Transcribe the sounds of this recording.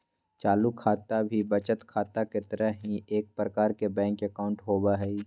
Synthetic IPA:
t͡ʃaːlukʰːaːt̪abʱibət͡ʃət̪kʰaːt̪aket̪əɾəɦɦĩʔeːk̚pɾəkaːɾkebɛ̃ːŋkekaːʊ̃ɳʈɦoːbaɦɛi

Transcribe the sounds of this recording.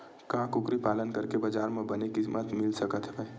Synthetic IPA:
kãːkʊkɾipaːlənkɐɾkebɐd͡ʒaːɾmẽbɐnekɪmət̪mɪlsɐkət̪ɦbɛː

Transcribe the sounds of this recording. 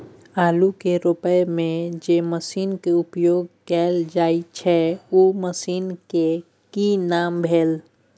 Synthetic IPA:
aːlukeɾʊpəjmẽd͡ʒeməsiːnkeʊpjoːɡkɛːld͡ʒaːit͡ʃʰɛuːməsiːnke | kinaːmbʱeːl

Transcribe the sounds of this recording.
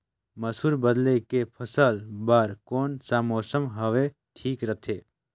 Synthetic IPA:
məsuːɾbəd̪lekepʰəsəlbaːɾkoːnsamoːsəmɦɐʋe | ʈʰiːkɾət̪ʰeː

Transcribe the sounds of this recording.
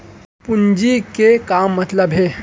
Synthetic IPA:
pund͡ʒikekaːmːət̪ləbɦe

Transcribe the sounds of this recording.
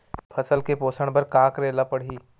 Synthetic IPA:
pʰɐsəlkepoːsəɽ̃bɐɾkaːkɾeːlapəɽ̤iː

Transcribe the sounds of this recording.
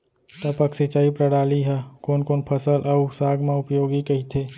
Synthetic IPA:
t̪əpəksɪt͡ʃaːipɾəɽaːliɦɛkoːnkoːnpʰəsəlʔɐusaːɡmẽʊpjoːɡikɐɦit̪ʰeː

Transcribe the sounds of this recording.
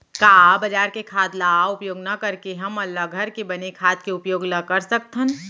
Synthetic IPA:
kaːbɐd͡ʒaːɾkekʰaːd̪laʊpjoːɡnɐkɐɾkeɦɐmɐlːaɡʱɐɾkebɐnekʰaːt̪̚keʊpjoːɡnakɐɾsɐk̚t̪ʰən

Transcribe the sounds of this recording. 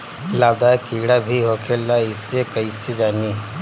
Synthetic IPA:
laːbd̪aːkiːɽabʱiɦoːkʰelaɪsekəised͡ʒaːni

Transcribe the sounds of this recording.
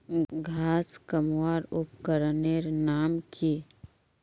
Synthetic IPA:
ɡʱaːskəmwaːɾʊpkəɾneɾnaːmkʰi

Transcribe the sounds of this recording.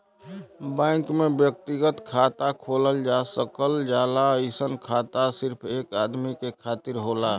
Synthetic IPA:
bɛ̃ɪkmẽbjək̚t̪iɡət̪kʰaːt̪akʰoːləld͡ʒasəkəld͡ʒaːlaisənkʰat̪asɪɾpʰeːkaːd̪mikekʰaːt̪iɾɦola

